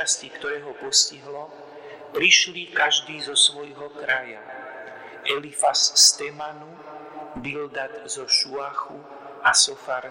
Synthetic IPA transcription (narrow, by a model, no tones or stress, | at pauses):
ascikt̪ɔɾɛːɦɔpɔsciɦlɔ | pɾiʃlikaʒd̪iːzɔsʋɔjɦɔkɾaja̰ | ʔɛlifasːt̪ɛmanu | bild̪ad̪zɔʃuaxu | asɔfaɾ